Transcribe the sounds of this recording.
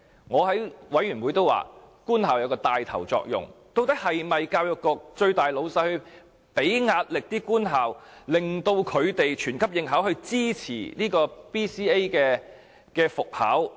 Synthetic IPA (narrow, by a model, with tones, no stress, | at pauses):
ŋɔː˨˧ɦɐ˨˥jwɐ˨˥jɥyː˨˩nwuː˨˧jt̪o˥wa̰ː˨˩ | kuː˥nhaː˨˩wjɐ˨˧wkɔː˧t̪aː˨jt̪ʰɐ̰˨˩wt͡sɔ̰ː˧k̚jʊ̰˨˩ŋt̪o˥˧wt̪ɐ˥k̚hɐ˨jmɐ˨jkaː˧wjɔ˧kːɔː˧k̚t͡ʃɵ˧ɥt̪aː˨jlo˨˧wsɐ˧jhɵ˧ | pe˨˥jŋaː˧t̚lɪ˨k̚t̪iː˥kuː˥nɦaː˨wlɪ˨ŋt̪o˧wkʰɵ˨˧ɥt̪e˨jt͡ʃʰyː˨˩nkʰɐ˥p̚jɪ˨˧ŋɦaː˨˥whɵ˧ɥt͡siː˥t͡sʰḭː˨˩niː˥kɔː˧piː˥siː˥e˥jkɛː˧ | kɛː˧fʊ˨k̚ha̰ː˨˥w